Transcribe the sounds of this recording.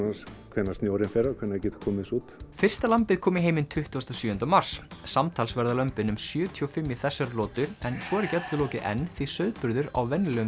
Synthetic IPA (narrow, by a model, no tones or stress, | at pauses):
askʰɛnːast̪noːwɾɪnfɛɾakʰvɛnacɛːt̪kʰɔːmɪsuːt̪fɪr̥st̪alampɪðkʰɔːmɪɦeːjmɪnt̪ʰʏht̪ust̪ɔsjʏːʏnt̪amar̥ssamt̪ʰaːlsvɛɾðalœmpɪnʏmsjœːt̪ʰiɔfɪmːjɪθɛsːaɾlɔːt̪ʏɾɛnsɔɛɾcɛt̪lʏlɔːcɪʔɛ̰nːθisœɥðpʏɾðʏɾa̰wvɛnlɛɣʏ